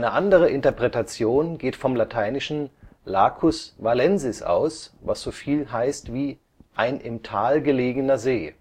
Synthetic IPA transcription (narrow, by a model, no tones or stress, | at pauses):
nəʔandəʁ̞əʔɪntɐpʁ̥ɛtat͡sjoːnɡeːtfɔmlatʰaɪnɪʃn̩laːkʰʊsvalɛnzɪsʔa̰ʊsva̰sz̥oːfiːlɦaɪstv̥iː | ʔaɪnʔɪmtʰaːlɡəleːɡənɐzeː